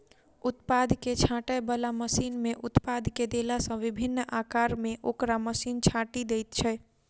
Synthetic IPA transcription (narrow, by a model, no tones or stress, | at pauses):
ut̪pad̪ʱket͡ʃʰãʈəjbəlaməsinmeʔut̪pad̪ʱked̪elasə̃ʋibʱinːʔakaɾmeʔokɾaməsint͡ʃʰãʈid̪ejt̪t͡ʃʰɛ